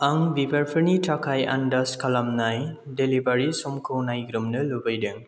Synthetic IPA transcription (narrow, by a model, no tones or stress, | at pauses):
aŋbibʌɾpʰɯɾniʈʰʌkʰaja̰ndʌskʰʌlʌmnajdelibaɾisumkʰownajɡɾumnɯlubʌjdɯŋ